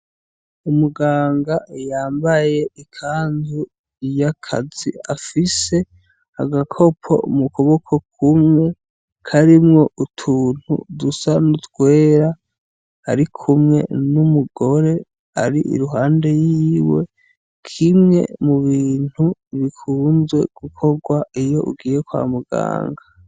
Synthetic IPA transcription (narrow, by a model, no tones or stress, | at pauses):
umuɡaːŋɡajaːmbaje̞ikʰaːndu | jakʰa̰ziafise̞ | aɡakʰo̞pʰo̞̰umukʰo̞βo̞kʰo̞kʰumŋe̞ | kʰaɾimŋo̞ʔutʰuːn̥hṵdusanutwe̞ːɾa | aɾikʰumŋe̞̰numuɡo̞ɾe̞ | a̰ɾiʔḭɾuɦaːnde̞jiiːwe̞̰ | kʰimŋe̞̰muβiːn̥huβikʰuːnzwe̞̰ɡ̥ukʰo̞ɡwaijo̞ʔṵɡiːje̞kwa̰ːmuɡa̰ːŋɡa